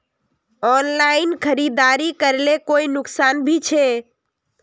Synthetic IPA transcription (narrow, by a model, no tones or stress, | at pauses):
ɔnlainkʰəɾid̪aɾikəɾlekoinʊksanbʱit͡ʃʰe